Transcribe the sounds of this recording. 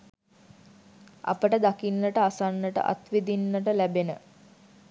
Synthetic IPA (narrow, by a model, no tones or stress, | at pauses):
a̰pəʈəd̪akinːəʈəasanːəʈə̰ʔa̰t̪ʋid̪inːəʈəlæbenə̰